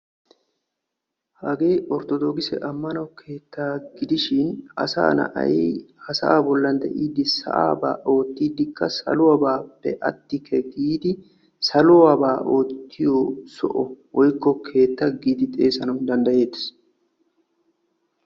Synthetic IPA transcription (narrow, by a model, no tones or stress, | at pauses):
hɐɡeːʔɔɾt̪ɔd̪oːɡɪsɛ̰ʔɐmːɐnɔkʰe̞ːt̪ːaːɡɪd̪ɪʃɪnɐ̰sa̰ːnɐ̰ʔɐ̰jḭːhɐsɐʔaːbɔlːɐnd̪ɐʔiːd̪ɪsɐ̰ʔa̰ːba̰ːʔo̞ːt̪ːiːd̪ɪkːɐsɐ̰lʊɐbaːpːɛʔɐ̰t̪ːɪkʰɛɡiːd̪ɪ | sɐlʊwɐbaːʔoːt̪ːɪjɔsɔ̰ʔɔwɔjkːɔkʰe̞ːt̪ːɐɡiːd̪ɪt̪ʼeːsɐnɔd̪ɐnd̪ɐje̞ːt̪ːɪ̥s